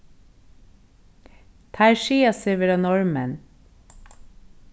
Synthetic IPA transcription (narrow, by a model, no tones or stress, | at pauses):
t̪ʰæɪʃiːɑseʋəɾɑnɔɹmən